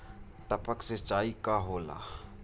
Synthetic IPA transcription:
ʈəpəkset͡ʃaːikaɦoːla̰ː

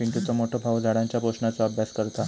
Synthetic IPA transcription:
piɳʈut͡səmoʈʰəbʱawd͡zʱaɽãɲt͡ɕjapoɕnat͡sɔəbʱjaskəɾt̪a

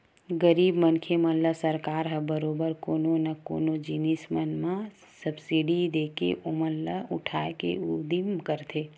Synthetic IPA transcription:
ɡəɾiːbmənkʰemə̃nləsəɾkaːɾɦəbəɾoːbəɾkoːnonako̰ːnod͡ʒinismənmã | səbsiɖid̪eːkḛʔomənlaʊʈʰaːkḛud̪imkəɾt̪ʰeː

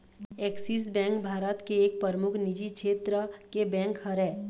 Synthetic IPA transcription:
eksis̬bɛ̃ːŋkbʱaːɾət̪keːk̚pəɾmʊkʰnid͡ʒikʃʰeːt̪ɾəkebɛ̃ːŋkhəɾɛː

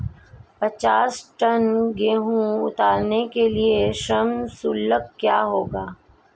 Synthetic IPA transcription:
pɐt͡ʃaːsʈənɡeːɦũʊ̰t̪aːɾnekelieʃəmsʊlːəkːjaːɦoːɡaː

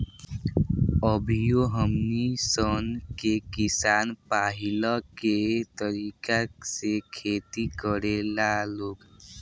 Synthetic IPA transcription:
əbʱijoɦəmnisənkekisanpaɦiləket̪əɾikaksekʰet̪ikəɽelaloːk

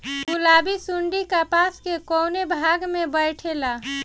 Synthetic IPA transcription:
ulabisuɳɖikapaskekoːnebʱaɡmẽbəɪʈʰela

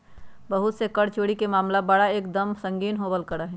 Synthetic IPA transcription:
bəɦut̪sekəɽt͡ʃoɽikemaːmlabəɽaeːk̚d̪əmsə̃ŋɡiːnɦobəlkəɾəɦɛ̃

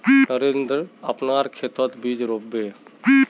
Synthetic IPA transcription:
nəɾend̪ɾəpnaɾkʰet̪ət̪bid͡ʒɾobːe

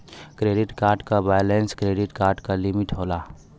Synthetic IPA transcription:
kɾeːɖɪʈkaːɾɖkabaːjlẽnskɾeːɖɪʈkaːɾɖkalɪmɪʈɦoːlaː

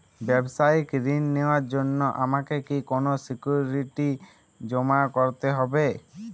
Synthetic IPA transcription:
bebsajikɾinːewaɾd͡ʒonːɔʔamakekikonosikjuɾiʈi | d͡ʒɔmakɔɾt̪eɦɔbe

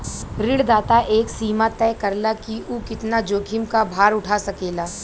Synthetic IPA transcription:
ɾɪɽd̪aːt̪aʔeːksiːmat̪ɛːkɐɾlakiuːkɪt̪nad͡ʒoːɡʱɪmkabʱaːɾʊʈʰasɐkeːlaː

